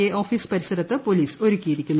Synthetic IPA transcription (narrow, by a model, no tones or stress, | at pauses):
eʔoːfiːspɐɾisɐɾɐt̪ːɨpo̞liːso̞ɾukʲːijiɾikʲːunːu